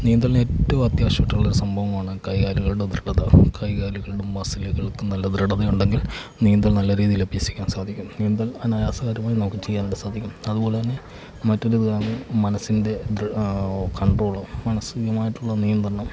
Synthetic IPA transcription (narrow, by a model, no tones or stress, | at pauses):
niːnd̪ɐle̞ːtːɐʋumɐt̪jaːɕɐʋɐʈːɐŋɐɭo̞ɾusɐmbʱɐʋɐmaːɳɨkɐjkaːɾuɣɐɭuɽed̪reɽɐðɐkɐjkaːɾuɣɐɭɽumːɐsilɐɣɐɭkːɨnɐlːɐd̪ɾɐɽɐðɐjuɳɖe̞ŋɡil | nijɐnd̪ɐɭnɐlːɐɾiːðijilɐbijɐsi̥kʲːaːnsaːd̪ʱikʲːumniːnd̪ɐlɐnaːjaːsɐɣaːɾjɐmaːinɐmukːɨt͡ɕe̞jːaːnːɖesaːd̪ʱikʲːumɐðubo̞ːlet̪ɐnːe̞ | mɐtːo̞ɾuaːnɨmɐnɐsːinde̞d̪ | kɐɳɖro̞ːɭɨmɐnɐsɨijɐmaːjiʈːuɭːɐnijɐnd̪rɐɳɐm